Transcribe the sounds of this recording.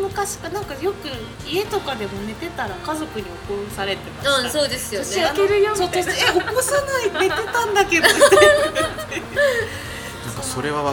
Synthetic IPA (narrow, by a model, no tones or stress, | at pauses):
mɯ̟kaɕi̥kanãŋkajo̞kɯ̟ | ie̞t̪okad̪e̞mo̞ne̞t̪e̞t̪aɾakazo̞kɯ̟ɲ̟io̞kosaɾe̞t̪e̞maɯ̃so̞ːd̪e̞sɨjooɕiaankeɾɯ̟joːsoːt̪oeo̞kosanaine̞t̪e̞t̪ãnd̪ake̞d̪ | nã̰kaso̞ɾe̞βaβa